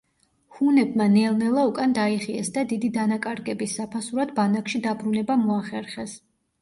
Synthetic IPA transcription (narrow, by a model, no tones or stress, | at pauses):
hunɛbmanɛlˠnɛlˠaukʼand̪aiχiɛsd̪ad̪id̪id̪anakʼaɾɡɛbisapʰasuɾad̪banakʃid̪abɾunɛbamɔaχɛɾχɛs